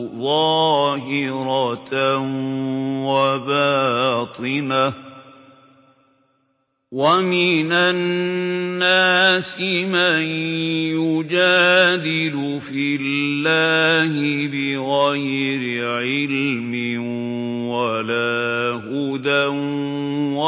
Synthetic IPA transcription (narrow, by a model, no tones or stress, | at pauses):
ðˤɑːhɪɾɑ | wabaːt̪ˤɨna | wamɪnanː | aːsɪmajjʊd͡ʒaːd̪ɪlʊ | fɪlːaːhɪbɪɣajɾɪʕɪlmɪ | walaː | hʊd̪a | wa